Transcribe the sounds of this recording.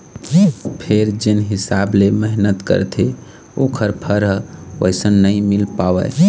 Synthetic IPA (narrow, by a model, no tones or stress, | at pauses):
pʰeɾd͡ʒenɦisableməɦnət̪kə̰ɾt̪ʰe | okʰəɾpʰəɾɦə̰jsənːəjmilpawɛ̰